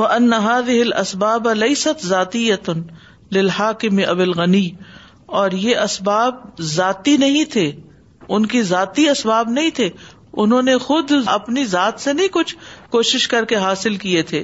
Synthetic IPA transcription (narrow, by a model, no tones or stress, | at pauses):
wɐʔɐnːɐɦaːðɪɦɪlʔɐ̰sbaːblɐjsɐt̪zaːt̪ɪjːɐ | lɪlhaːkɪmɪʔɐbɪlɣɐniː | ɔːɾjeʔɐsbaːb̚zaːt̪inɐɦĩt̪ʰeː | ʊnkizaːt̪iɐsbaːbnɐɦĩt̪ʰeː | ʊnɦõːnexʊd̪ɐpnizaːt̪senɐɦĩkʊt͡ʃʰkoːʃɪʃkɐɾkeɦaːsɪlkiet̪ʰeː